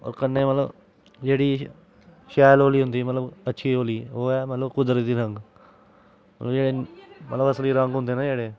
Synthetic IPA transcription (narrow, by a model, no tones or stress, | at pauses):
ɔ̰ːɾkənːeːmət̪ləb | d͡ʒeːɽiː | ʃɛːloːliːɦʊ̃nd̪iːmət̪ləbətːʃʰiːoːliːoːɛːmət̪ləbkʊd̪əɾd̪iːɾəŋɡ | mət̪ləbd͡ʒeːɽeːmət̪ləbəsliːɾə̃ŋɡɦʊ̃nd̪eːnãːd͡ʒeːɽeː